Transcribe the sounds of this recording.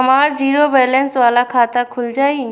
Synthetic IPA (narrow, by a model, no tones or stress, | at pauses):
ɐmaːɾziːɾobɛːlensʋaːlakʰaːt̪akʰʊld͡ʒaːi